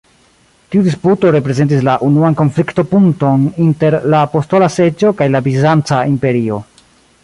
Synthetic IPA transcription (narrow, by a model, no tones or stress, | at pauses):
tiudisputo̞ɾe̞pɾe̞ze̞nt̬islaʔunuanko̞nflikto̞puŋto̞ninte̞ɾlapo̞sto̞lase̞d͡ʒo̞kajlabizant͡saimpe̞ɾio̞